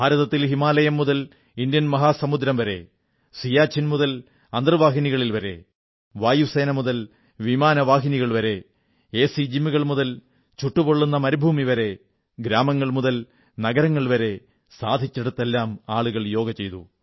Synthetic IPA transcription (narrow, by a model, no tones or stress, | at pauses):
bʱaːɾɐðɐt̪ːilɦimaːlɐjɐmːuðɐl | ind̪jɐnmɐɦaːsɐmud̪ɾɐmʋɐɾe̞̰ | sijaːt͡ɕʰːinmuðɐl | ɐnd̪rɨʋaːɦiniɣɐɭilʋɐɾe̞̰ | ʋaːjuseːnɐmuðɐl | ʋimaːnɐʋaːɦiniɣɐɭʋɐɾe̞ | eːsid͡ʑimiɣɐɭmuðɐl | t͡ɕuʈːupoɭːunːɐmɐɾubʱuːmiʋɐɾe̞ | ɡɾaːmɐŋːɐɭmuðɐl | nɐɡɐɾɐŋːɐɭʋɐɾe̞ | saːd̪ʱit͡ɕːeɽut̪ːelːaːmaːɭuɣɐɭjo̞ːɡɐt͡ɕe̞jt̪ṵ